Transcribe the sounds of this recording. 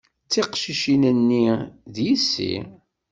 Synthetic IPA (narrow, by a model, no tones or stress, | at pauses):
t͡sːiqʃiʃinənːiðjisːḭ